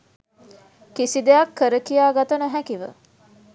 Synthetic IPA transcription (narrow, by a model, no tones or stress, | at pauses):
kisid̪ejɐkːəɾəkijaːɡat̪ɐnəɦækiʋə̰